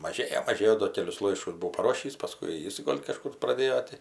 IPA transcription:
mɐˈʒʲeːjoː mɐˈʒʲeːjoː doː ˈkʲæːlʲʊs ˈlˠɐɪʃkʊs bʊˈʋɐʊ pɐˈroːʃʲiːs pɐˈskʊɪ ˈjɪs ˈɡoːlʲ kɐˈʃkʊr prɐˈdʲeːjoː tʲɪ

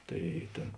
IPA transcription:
ˈtɐɪ ˈtʲeːn

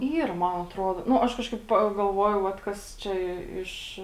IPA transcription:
ˈiːr ˈmɐn ɐtˈruɔdoː ˈnʊ ˈɐʃ ˈkɑːʃkɐɪp pɐɡɐlˠˈʋuɔjɛʊ ˈʋɐt kɐs ˈt͡ʃʲɛ ˈɪʃ

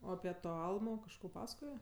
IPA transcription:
ˈoː ɐpʲɪ ˈtoː ˈɐlˠmoː kɐʃˈkoː ˈpɑːsɐkoːjɛ

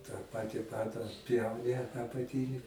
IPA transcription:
tɑː ˈpɑːtʲɪ ˈpɑːdɐ ɐtʲˈpʲjɛʊnʲɪ ɐpɐˈtʲɪnʲɪ

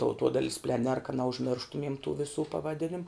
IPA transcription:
tɐʊˈtuɔdɐɪlʲs pʲlʲɛˈnʲɛr kɐ nʲɛʊʒʲˈmʲɪrʃtʊmʲiɛm tuː ʋʲɪˈsuː pɐʋɐˈdʲɪnʲɪm

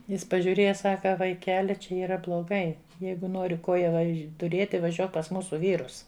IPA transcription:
ˈjɪs pɐʒʲuːˈrʲeːjɛ ˈsɑːkɐ ʋɐɪˈkʲæːlʲɪ ˈt͡ʃʲɛ iːˈrɐ blˠoːˈɡɐɪ ˈjɛɪɡʊ ˈnoːrʲɪ ˈkoːjɛ ˈʋɐʃʲ tʊˈrʲeːtʲɪ ʋɐˈʒʲuɔk pɐs ˈmuːsʊ ˈʋʲiːrʊs

